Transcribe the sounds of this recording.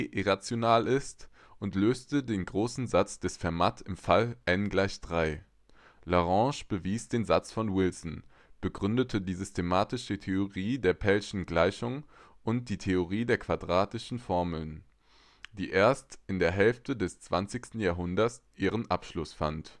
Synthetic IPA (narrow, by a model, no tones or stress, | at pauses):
ʔɪʁat͡sjonaːlɪst | ʊntløːstədeːnɡʁoːsn̩zat͡sd̥ɛsfɛɐmatɪmfalʔɛnɡlaɪçd̥ʁaɪ | laʁɑ̃ːʃb̥əviːsd̥eːnzat͡sfɔnwɪlsn̩ | b̥əɡʁʏndətʰədiːzʏstʰemaːtɪʃətʰeoʁiːdeːɐpʰɛlʃn̩ɡlaɪçʊŋ | ʔʊnt̚d̥iːtʰeoʁiːdeːɐkʰv̥adʁaːtɪʃn̩fɔɐml̩n | d̥iːʔeːɐstɪndeːɐɦɛlftədɛst͡sv̥a̰nt͡sɪçstn̩jaːɦʊndɐsʔiːʁənʔapʃlʊsfant